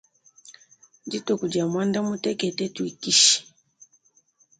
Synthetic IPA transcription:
d͡ʒi˦tɔ˨ku˨d͡ʒa˨mwa˦nda˦mu˦tɛ˦kɛ˨tɛ˦tu˨i˨ki˦ʃi̥˨

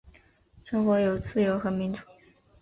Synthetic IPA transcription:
ʂɤ˥ŋxwɔ˧˥jo˨˩ʊt͡sɹ̩˥˩jo˧˥ʊxɤ˧˥mi˧˥nʈ͡ʂu˨˩˦

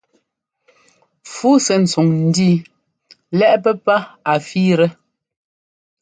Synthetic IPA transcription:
fuː˦sɛ˨n̩˨su˨ŋn̩˨˦diː˦ | lɛ˦ʔpɛ˦pa˦a˨fiː˦ɾɛ˦

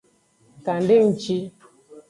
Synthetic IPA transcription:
ka˨n̩˦dɪ˦ŋ̩˦t͡ʃi˦

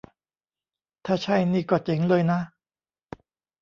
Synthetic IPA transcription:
t̪ʰaː˥˩t͡ɕʰa˥˩jniː˥˩kɔː˧˩t͡ɕe˩˦ŋlɤː˧jna˦˥

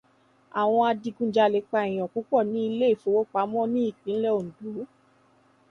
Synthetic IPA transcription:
a˨w̃ɔ̃˧a˧di˧ɡũ˦d͡ʒa˧˨lɛ˨˦k͡pa˧i˨j̃ɔ̃˨ku˨˦kɔ˦˨nĩ˦i˧le˦i˦˨fo˨˧˦wo˦k͡pa˨˦mɔ̃˦nĩ˦i˦˨k͡pĩ˨˦n̩˦lɛ˦o˨n̩˨du˨˦

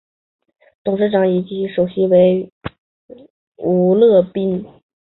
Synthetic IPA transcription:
t̪ʊ˨˩ŋʂɻ̩˥˧ʈ͡ʂɑ˧˥ŋi˨˩t͡ɕi˧˥ŋʂo˨˩ʊɕi˧˥we˧˥ɪ | u˧˥lɤ˥˧pi˥˩n

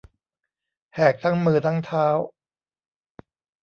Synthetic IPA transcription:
hɛː˨˩k̚t̪ʰa˦˥ŋmɯː˧t̪ʰa˦˥ŋt̪ʰaː˦˥w

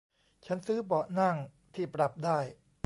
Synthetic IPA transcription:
t͡ɕʰa˦˥nsɯː˦˥bɔː˨˩ʔna˥˩ŋ | t̪ʰiː˥˩pɾa˨˩p̚daː˥˩j

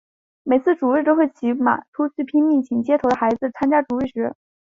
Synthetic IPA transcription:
me˨˩ɪt͡sʰɹ̩˥˩ʈ͡ʂu˨˩ɻə˥˩t̪o˥xwe˥˩ɪt͡ɕʰi˧˥ma̰˨˩t̪ʰu˥t͡sʰy˥˩pʰi˥nmi˥˩ŋt͡ɕʰi˧˩ŋt͡ɕjɛ˥t̪ʰo˧˥d̪ə˧xa˧˥ɪd͡zɹ̩˧t͡sʰa˥nt͡ɕja˥ʈ͡ʂu˨˩ɻi˥˩ʈ͡ʂɻ̩˧˥

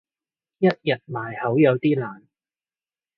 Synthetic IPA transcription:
jɐ˥t̚jɐ˨t̚maː˨˩jhɐ˨˥wjɐ˨˧wt̪iː˥laː˨˩n

